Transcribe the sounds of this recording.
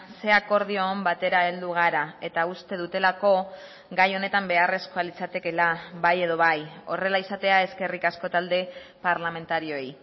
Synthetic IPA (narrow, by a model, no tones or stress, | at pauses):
se̞ako̞ɾð̞ioːmbat̪e̞ɾae̞ld̪uɣ̞aɾae̞t̪aust̪e̞ðut̪e̞lako̞ | ɡajo̞ne̞t̪ambe̞are̞skoalit͡sat̪e̞ke̞laβaje̞ðo̞βajo̞̰re̞laisat̪e̞ae̞ske̞rikasko̞t̪ald̪e̞paɾlame̞nt̪aɾio̞ij